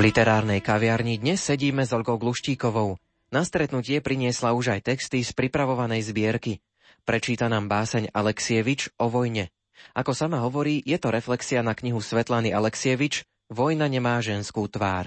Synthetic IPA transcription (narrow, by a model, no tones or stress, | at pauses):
lit̪ɛɾaːɾnɛjkaʋɪaɾɲid̪ɲɛsːɛɟiːmɛzɔʎɡɔʊɡluʃciːkɔʋɔʊ | nast̪ɾɛt̪nucɪɛpɾiɲɪɛslauʒajt̪ɛkst̪ispɾipɾaʋɔʋanɛjzbɪɛɾki | pɾɛt͡ʃiːt̪anaːmbaːsɛɲalɛksiɛʋit͡ʃɔʋɔjɲɛ | akɔsamaɦɔʋɔɾiːjɛt̪ɔɾɛflɛksianakɲiɦusʋɛt̪laniʔalɛksiɛʋit͡ʃ | ʋɔjnaɲɛmaːʒɛnskuːt̪ʋa̰ːɾ